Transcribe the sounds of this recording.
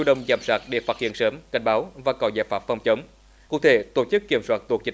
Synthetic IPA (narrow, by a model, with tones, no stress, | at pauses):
u˧ɗə˨˧wŋ͡mzaː˧˩msaː˦˥t̚ɗe˧˩faː˦˥t̚hḭ˧˨ənsəː˨˦mka˧˩jŋ̟ɓaː˨˦wvaː˨˩kɔ˨˦zaː˧˩jfaː˦˥p̚fɔ˧˩wŋ͡mt͡ɕə˨˦wŋ͡m | ku˧˩ət̪ʰe˧˨˩t̪o˧˩t͡ɕɨ˦˥kːi˧˩əmswaː˦˥t̚t̪u˨˩ək̚t͡ɕï˧˦